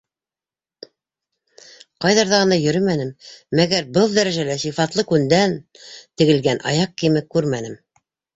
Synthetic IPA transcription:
qɑjðɑɾðɑʁɤ̆nɑjɵ̆ɾɘmænɘmːæɡæɾbɤlˠd̪æɾæʒælæsifɑt̪lˠɤkʉnd̪æn | t̪ɘ̆ɡɘ̆lɡænʔɑ̰jɑq̚kimɘkːʉɾmænɘm

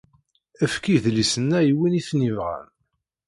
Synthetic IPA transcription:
əfkiðlisənːæjwiniθnivʁæ̰n

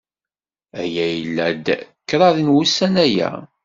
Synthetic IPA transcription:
æjæjəlːæd̪kːɾˤɑðinwusænæjæ̰

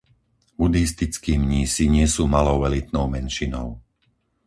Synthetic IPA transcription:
bud̪ist̪it͡skiːmɲiːsiɲɪɛsuːmalɔʊʋɛlit̪̚nɔʊmɛnʃinɔ̰ʊ

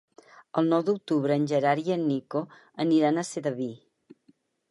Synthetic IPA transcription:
əlˠnɔwd̪uk̚t̪uβɾəːnʲʒəɾaɾiənːiko | əniɾanəseðəβi

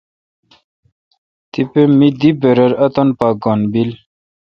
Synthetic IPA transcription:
t̪ipemid̪ibeɾəɾɐt̪onpaːɡonbil

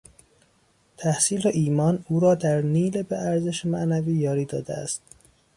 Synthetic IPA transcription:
t̪ʰæhsiːleʔiːmɒːnuːɾɒːd̪æɾniːlebeʔæɾzeʃemæʔnæviːjɒːɾiːd̪ɒːd̪eæ̰st̪

